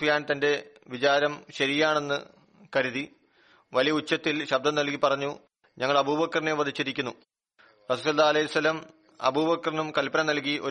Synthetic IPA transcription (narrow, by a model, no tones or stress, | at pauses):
jaːnt̪ɐnde̞ʋit͡ɕaːɾɐmɕɐɾijaːɳe̞nːɨ | kɐɾuði | ʋɐlijɐut͡ɕːɐt̪ːilɕɐb̚d̪ʱɐmnɐlkipɐrɐɲːu | ɲɐŋːɐɭɐbuːbɐkːɐrineʋɐd̪ʱit͡ɕːiɾikʲːunːu | rɐsulsɐlːaːɐlɐjisɐlːɐm | ɐ̰bubɐkːɐrinumkɐlpɐnɐnɐlk̬iʔo̞